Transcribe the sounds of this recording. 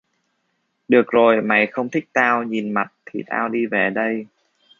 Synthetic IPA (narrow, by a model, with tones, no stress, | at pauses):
ɗɨ˨˩ək̚zo˨˩jma̰˧˩jxə˧wŋ͡mt̪ʰï˦˥k̟̚t̪aː˧wɲi˨˩nma˨˩t̚t̪ʰḭ˨˩t̪a̰ː˧wɗi˧ve˨˩ɗə˧j